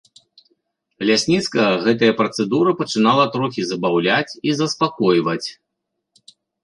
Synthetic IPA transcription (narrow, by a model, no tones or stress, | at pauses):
lʲasʲnʲit̪skɐɐɣɛt̪ɐjɐpɾɐt̪sɛd̪uɾɐpɐt͡ʂɨnalˠɐt̪ɾɔxʲizɐbawlʲat͡sʲizɐspakɔjvɐt͡sʲ